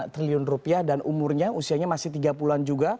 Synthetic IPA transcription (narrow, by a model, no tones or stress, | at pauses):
t̪ɾiliɔnrupiahdanʔumʊrɲaʔusiaɲamasɪht̪iɡapuluand͡ʒuɡa